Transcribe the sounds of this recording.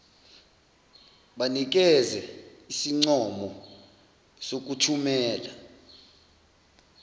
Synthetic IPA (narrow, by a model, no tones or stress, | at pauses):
ɓanik̬ɛzɛisiŋ͡ǀɔmɔ | sok̬utʰumɛːla